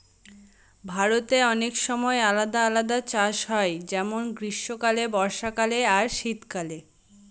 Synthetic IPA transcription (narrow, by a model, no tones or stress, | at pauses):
bʱaɾot̪eɔnekʃɔmɔealad̪aalad̪at͡ɕaʃɦɔed͡ʑɛmonɡɾiʃːokalebɔɾʃakaleaɾʃit̪kale